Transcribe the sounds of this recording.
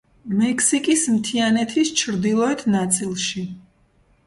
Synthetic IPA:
mɛkʰsikʼismt̪ʰianɛt̪ʰist͡ʃʰɾd̪ilˠɔɛt̪ʰnat̪sʼilˠʃi

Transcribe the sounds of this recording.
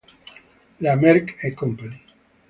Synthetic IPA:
lamɛɾkekɔmpani

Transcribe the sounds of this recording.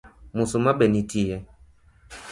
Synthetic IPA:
musumabɛnitijɛ

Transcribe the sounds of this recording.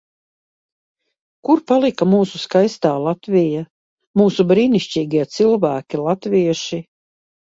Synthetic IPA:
kuɾpalˠikamuːsuskajst̪aːlˠat̪vʲija | muːsubɾiːniʃt͡ʃʲiːɡiɛt̪silˠvæːkʲilˠat̪viɛʃi

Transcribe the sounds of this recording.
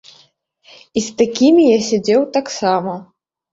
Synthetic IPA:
ist̪akʲimʲijasʲad͡zʲɛwt̪aksamɐ

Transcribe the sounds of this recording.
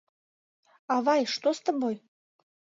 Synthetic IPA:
ɑβɑjʃt̪ost̪əboj

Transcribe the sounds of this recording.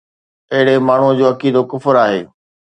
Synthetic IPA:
ɐɦɪɽ̤emaːɳ̤ud͡ʑoːɐkiːd̪okʊfɾaːɦḛː

